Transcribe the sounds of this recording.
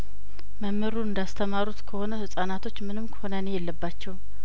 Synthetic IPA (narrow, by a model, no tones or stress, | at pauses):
məmːɨɾuɨnd̪ast̪ʰəmaɾut̪kʰəho̞nəhɨsʼanat̪ʰo̞t͡ʃːmɨnɨmkʰə̥ho̞nənejɛlːəbːat͡ʃːɛw